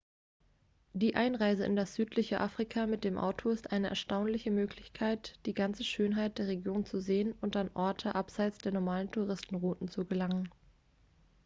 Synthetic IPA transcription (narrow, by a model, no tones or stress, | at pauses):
d̥iːʔaɪnʁaɪzəɪ̰ndasz̥yːtlɪçəʔaːfʁ̥ikʰamɪt̚d̥eːmʔa̰ʊtʰoɪstʔaɪnəʔɛ̰ɐʃtaʊnlɪçəmøːkʰlɪçkʰaɪtd̥iːɡant͡səʃøːnɦaɪt̚d̥eːɐʁ̞eɡjoːnt͡suzeːənʊntanʔɔɐtʰəʔapz̥aɪt͡sd̥eːɐnɔɐmaːləntʰuʁɪstn̩ʁuːtn̩t͡suɡəlaŋən